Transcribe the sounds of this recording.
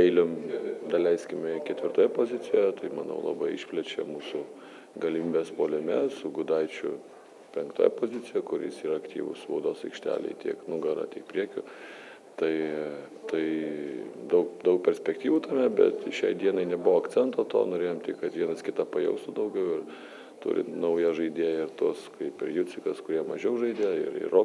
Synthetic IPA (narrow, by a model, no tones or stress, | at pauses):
ɛɪlʲomd̪ɐlʲɛɪsʲkʲɪmʲɛkʲɛt̪ʲʋʲɪrɾt̪oːjɛpoːzʲɪt͡s̪ʲɪjɛt̪ɐɪmɐ̰nɐ̰ʊlˠɑ̰ːbɐɪʃʲpʲlʲɛt͡ʃʲɛ̰muːsʊ | ɡɐlʲɪmʲiːbʲeːspoːlʲɪmʲɛsʊɡʊd̪ɐɪt͡ʃʲʊ̰ | pʲɛŋkt̪oːjɛ̰poːzʲɪt͡s̪ʲɪjɛkʊɾʲɪ̰ɪsiːɾɐɐkt̪ʲḭːʋʊ̰ssʋɐʊd̪oːsɐɪkʃʲt̪ʲæ̰ːlʲɛ̰ɪt̪ʲiɛknʊɡɐɾɐ̰t̪ʲiɛk̚pʲɾʲiɛkʲʊ | t̪ɐɪ | t̪ɐɪ | d̪ɐʊkd̪ɐʊk̚pʲɛɾʲsʲpʲɛkt̪ʲiːʋuːt̪ɐmʲɛbʲɛ̰t̪ʃʲɛɪd̪ʲiɛnɐɪnʲɛbʊʋoːɐkt̪t͡s̪ʲɛnt̪oːt̪o̰ːnoːɾʲeːjoɔmt̪ʲɪkɐt̪ʋʲiɛnɐskʲɪt̪ɑpɐjɛ̰ʊst̪ʊd̪ɐʊɡʲɛʊɪr | t̪ʊ̰ɾʲɪ̰nɐʊjɛʒɐɪd̪ʲeːjɛɪrt̪uɔskɐɪpɪɾjut͡sʲɪkɐskʊɾʲiɛmɐʒʲɛʊʒɐɪd̪ʲɛɪ̰ɾɪ̰roː